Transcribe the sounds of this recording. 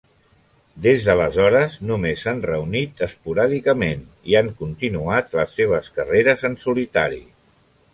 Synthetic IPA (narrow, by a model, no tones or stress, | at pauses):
d̪ezðələzɔɾəznumesːanrəunit̪əspuɾaðikəmen | iaŋkunt̪inuat̪ləsːeβ̞əskəreɾəzənsulit̪aɾḭ